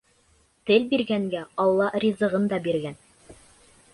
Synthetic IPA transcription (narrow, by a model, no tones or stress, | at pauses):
t̪ɘlbiɾɡæŋɡæɑlˠːɑrʲizɤ̆ʁɤnd̪ɑbiɾɡæn